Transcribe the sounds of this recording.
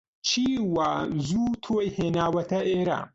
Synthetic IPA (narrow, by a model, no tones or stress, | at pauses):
t͡ʃʰiːwazuːt̪ʰoːheːnaːwɐt̪ɐʔeːɾa̰